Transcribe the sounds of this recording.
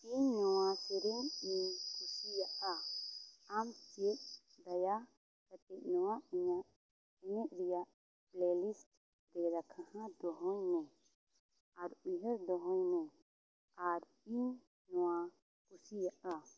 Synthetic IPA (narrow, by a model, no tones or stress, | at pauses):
iɲnɔwasɛɾumiɲkʰusijaʔaː | mt͡ʃɛʔ̚ | d̪aja | kat̪ɛʔ̚ˀnɔwaʔɛɲaʔ | ɛɲɛʔ̚ɾijaʔ | plɛlisʈ̚ | ɾɛɾakʰahãd̪ɔɦɔjnɛ | aɾuɦəɾd̪ɔɦɔ̃jnɛ | aɾ | iɲ | nɔwa | kʰusijaʔa